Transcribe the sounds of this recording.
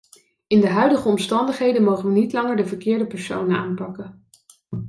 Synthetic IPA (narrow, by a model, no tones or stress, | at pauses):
ɪndəɦœɥdəχəɔmstɑndəχɦejdənmowχəʋənitlɑŋəɹdəvəɹkɪːɹdəpɛɹso̰wnənaːnpɑkə